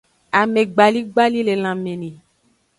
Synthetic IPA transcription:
a˨mẽ˨ɡ͡ba˨li˦ɡ͡ba˦li˦le˨l̃ã˨mẽ˨nĩ˨

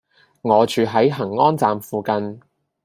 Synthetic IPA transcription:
ŋɔː˨˧t͡ʃyː˨˧ɦɐ˨˥jɦɐ˨˩ŋːɔː˥nt͡saː˨mfuː˨kɐ˧n

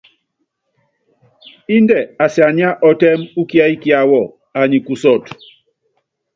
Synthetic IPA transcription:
i˦ndɛ˨a˨sja˨ɲi˦a˦ʔɔ˨tɛ˦mu˦ki˦a˦i˦ki˦a˨wɔ˦˨ | a˨ɲi˨ku˨sɔ˦˨t

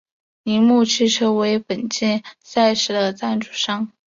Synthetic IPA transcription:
ni˧˥mu˥˧t͡ɕʰi˥˧ʈ͡ʂʰɤ˥we˧˥ɪpə˨˩nt͡ɕɛ˥˩nsa˥˩ɪʂɻ̩˧˥d̪ə˨t͡sa˥˩nʈ͡ʂu˨˩ʂɑ˥ŋ

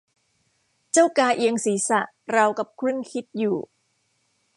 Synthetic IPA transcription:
t͡ɕa˥˩wkaː˧ʔi˧əŋsiː˩˦sa̰˨˩ʔ | ɾa˧wka˨˩p̚kʰɾɯ˥˩˨ŋkʰi˦˥t̪̚juː˨˩

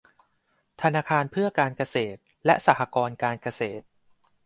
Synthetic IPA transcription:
t̪ʰa˧naː˧kʰaː˧npʰɯ˥˩ɐkaː˧nka˧seː˨˩t̪̚ | lɛ˦˥ʔsaː˨˩hʰa˧kɔː˧nkaː˧nka˧seː˨˩t̪̚

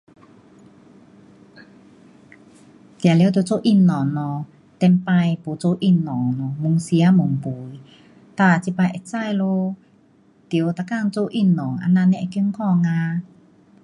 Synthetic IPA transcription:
t̪ja˨lt̪̬ːt͡so˧ʔi˧˩˨nːɔ˨ŋnɔ˧ | t̪ɛ˧mpa˧jpu˨˩t͡so˧ʔi˧˩nːɔ˨˩ŋnɔ˨˧˨mu˨˧˨ŋsi˧a˧˦mu˨ŋpu˨˦j | t̪a˧˩˨t͡si˧pa˧jʔɛ˧˨t͡sa˧˨jlo˧ | t̪i˨˩ə˧wt̪a˨˧˩ka˥˧˨ŋt͡so˧ʔi˧˩nːɔ˨˩ŋʔa̰˧nã˧nɛ˧˨ki˧˦ŋkʰɔ˧˨ŋa˧

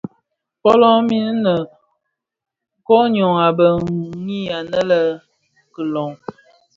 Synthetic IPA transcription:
pɔ˦lɔ˦mi˦n˦nə˨ | kɔ˦ɲɔ˨ŋa˨bə˨˦ŋi˦a˨nə˦lə˦˨ | kə˨lɔ˨ŋ

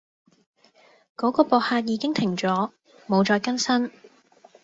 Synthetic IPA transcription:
kɔː˨˥kɔː˧pɔː˨k̚haː˧t̚jiː˨˧kɪ˥ŋt̪ʰɪ˨˩ŋt͡sɔː˨˥ | mo˨˧wt͡ʃɔː˨˧jkɐ˥nsɐ˥n

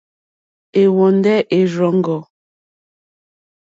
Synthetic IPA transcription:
e˨wɔ˨ndɛ˦ʔe˨ɾɔ˨ŋ˦ɡɔ˨

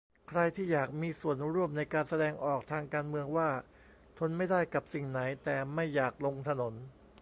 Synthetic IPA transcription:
kʰɾa˧jt̪ʰiː˥˩jaː˨˩k̚miː˧su˨˩ənɾu˥˩əmna˧jkaː˧nsa˧dɛː˧ŋʔɔː˨˩k̚t̪ʰaː˧ŋkaː˧nmɯ˧əŋwaː˥˩ | t̪ʰo˧nma˥˩jdaː˥˩jka˨˩p̚si˨˩ŋna˩˦jt̪ɛː˨˩ma˥˩jːaː˨˩k̚lo˧ŋt̪ʰa˧no˩˦n

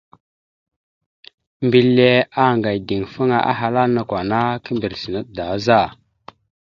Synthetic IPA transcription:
mbi˨lːe˦a˦˨ŋɡa˨jdi˨ŋfə˦ŋa˨ʔa̰˦ɦa˨la˦na˨kwa˨na˦kə˦mbi˨ɾsi˨nə˦t̚da˨˦za˦˨

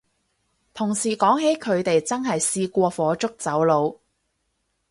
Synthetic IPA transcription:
t̪ʰʊ˨˩ŋsiː˨˩kɔː˨˥ŋhe˨˥jkʰɵ˨˧ɥt̪e˨jt͡sɐ˥nɦɐ˨jsiː˧kʷɔː˧fɔː˨˧t͡ʃʊ˥k̚t͡sɐ˨˥wlo˨˧w

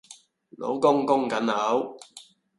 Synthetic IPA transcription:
no̰˨˧˥wkʊ˥ŋkʊ˥ŋkɐ˨˥nɐ˨˧˥w

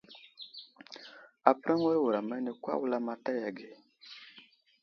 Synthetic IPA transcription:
a˨pɾa˦ŋwa˦wu˨ɾa˨ma˦ni˨kwa̰˦wu˦la˦ma˦ta˦ja˨ɡe˨

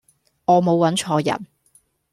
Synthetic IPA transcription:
ŋɔː˨˧mo˨˧wwɐ˨˥nt͡ʃʰɔː˧jɐ̰˨˩n

